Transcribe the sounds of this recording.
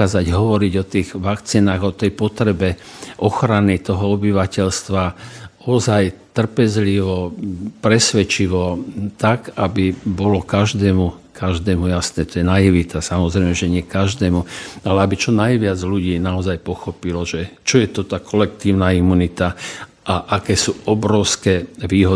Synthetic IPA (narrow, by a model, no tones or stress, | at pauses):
aːzaɟɦɔʋɔɾiɟɔt̪iːɣʋakt͡siːnaːɣɔt̪ɛjpɔt̪ɾɛbɛ | ʔɔxɾanit̪ɔɦɔɔbiʋacɛʎst̪ʋaɔzajt̪r̩pɛzliʋɔpɾɛsʋɛt͡ʃiʋɔt̪aɡabibɔlɔkaʒd̪ɛːmukʰaʒd̪ɛːmujasnɛːt̪ɔjɛnajiʋit̪asamɔzɾɛjmɛʒɛɲɪɛkaʒd̪ɛːmualɛabit͡ʃɔnajʋɪad͡zluɟiːnaɔzajpɔxɔpilɔʒɛt͡ʃɔjɛt̪ɔt̪aːkʰɔlɛk̚t̪iːʊnaimunit̪a | ʔaʔakɛːsuːʔɔbɾɔʊskɛːʋiːɦɔ